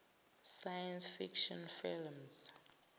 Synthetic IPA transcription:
sajansfikʃɔ̃nfilmz

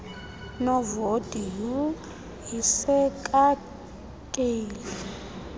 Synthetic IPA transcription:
nɔvod̥ʱiju | ɦisɛkʼa | kʼeːli

